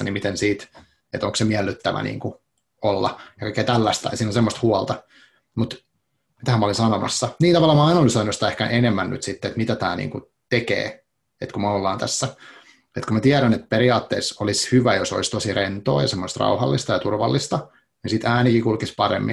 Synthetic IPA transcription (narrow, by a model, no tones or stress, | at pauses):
nimit̪ensiːt̪ | et̪oŋksemiælːyt̪ːæʋæ̰nḭːŋku | olːɑ̰jɑkɑikːeːt̪ælːæst̪ɑ̰siːnosemːost̪huɑlt̪ɑ | mut̪ | mit̪æhæmːæolinsɑnomɑ̰sːɑniːnt̪ɑʋɑlːɑmɑɑinolysoinusit̪æehkæʔenemːænny̰t̪sit̪ːet̪mit̪æt̪æ̰ːnḭːŋku | t̪ekḛː | et̪kumæolːɑːnt̪æsːæ | et̪kumæt̪iæɾænet̪̚peɾiɑːt̪ːḛːsolishyʋæjoso̰ist̪osirent̪oːjɑsemːost̪rɑ̰uhɑ̰lːist̪ɑjɑt̪urʋɑ̰lːist̪ɑ | nisit̪æːnikikulkispɑrḛmːḭ